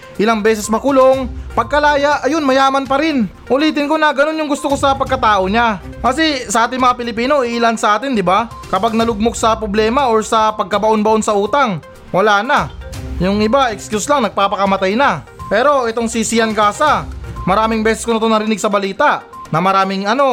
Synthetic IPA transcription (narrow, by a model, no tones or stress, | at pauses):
ʔɪlaŋbɛːs̬ɛsmɐkʊlo̞ŋpɐɡ̚kɐlaːjaʔɐjo̞nmɐjaːmɐnpɐɾɪn | ʔʊliːt̪ɪnko̞nɐɡɐno̞njʊŋɡʊst̪oko̞sɐpɐɡ̚kɐt̪aːʔo̞ɲa | kɐsɛsɐʔaːt̪ɪŋmɐŋapɪlɪpiːno̞iʔːlansɐʔaːt̪ɪnd̪ɪba | kɐpaɡ̚nɐlʊɡ̚mok̚sɐpɾoblɛːmɐoɹsɐpɐɡ̚kɐbɐʔo̞nbɐʔo̞nsɐʔuːt̪ɐŋ | wɐlaːnɐjʊŋɪbaʔɛkskjuslaŋnɐɡ̚paːpɐkɐmɐt̪ajnɐpɛːɾo̞ʔɛt̪o̞ŋsisijɐnɡaːsɐmɐɾaːmɪŋbɛːsɛskonɪt̪o̞nɐɾɪnɪɡsɐbɐliːt̪ɐʔ | nɐmɐɾaːmɪŋɐno̞